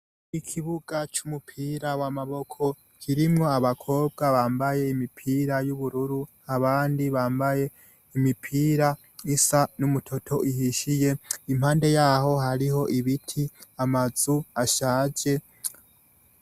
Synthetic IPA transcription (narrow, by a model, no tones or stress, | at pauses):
ikʰiβuɡ̥at͡ʃumupʰiːɾawamaβo̞kʰo̞ | kʰiɾimŋo̞aβakʰo̞ːb̚ɡaβaːmbaje̞imipʰiːɾajuβuɾuɾu | aβaːndiβaːmbaje̞ | imipʰiːɾa | isanumutʰo̞tʰo̞ʔihiʃije̞imhaːnde̞jaːɦo̞ɦaɾiho̞ʔiβitʰiamaz̥uaʃaːd͡ʒe̞